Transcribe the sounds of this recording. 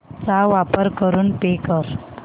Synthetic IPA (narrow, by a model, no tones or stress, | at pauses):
t͡saʋapəɾkəɾuːnpekəɾ